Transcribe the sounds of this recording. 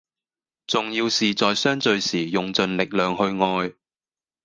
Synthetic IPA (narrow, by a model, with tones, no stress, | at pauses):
t͡sʊ˨ŋjiː˧wsiː˨t͡sɔː˨jsœː˥ŋt͡sɵ˨˧ɥsiː˨˩jʊ˨ŋt͡sɵ˨nlɪ˨k̚lœː˨ŋhɵ˧ɥŋɔː˧j